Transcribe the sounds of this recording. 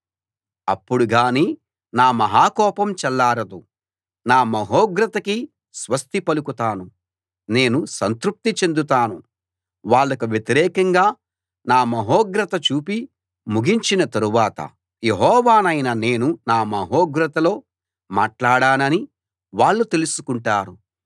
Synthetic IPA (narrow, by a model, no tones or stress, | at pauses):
ɐpːuɽuɡaːniː | naːmɐɦaːkɔːpɐmt͡ʃɛlːaːɾɐd̪u | naːmɐɦɔːɡɾɐt̪ɐki | sʋɐst̪ipɐlukut̪aːnu | ne̞ːnusɐnt̪ɾuk̚t̪it͡ʃe̞nd̪ut̪aːnu | ʋaːɭːɐkuʋjet̪iɾɛːkɐŋɡaː | naːmɐɦɔːɡɾɐt̪ɐt͡ʃuːpi | muɡiɲt͡ʃinɐt̪ɐɾuʋaːt̪ɐ̰ | je̞ɦɔːʋaːnɐjnɐne̞ːnunaːmɐɦɔːɡɾɐt̪ɐlo̞ː | ma̰ːʈlaːɽaːnɐni | ʋaːɭːut̪e̞lusu̥kuɳʈaːɾu